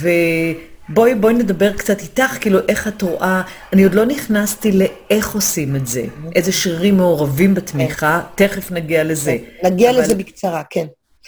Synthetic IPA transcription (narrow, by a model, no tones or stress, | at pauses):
ve̞ | bo̞jbo̞jne̞dabe̞ʁkt͡satitaχkiːluʔe̞χatʁoʔaanio̞dlo̞niχnastile̞e̞χo̞sime̞tze̞̰ʔe̞jzeʃʁiʁimːeoʁavimbetmiχate̞χe̞fnaɡiale̞ze̞naɡialezebikt͡saʁaken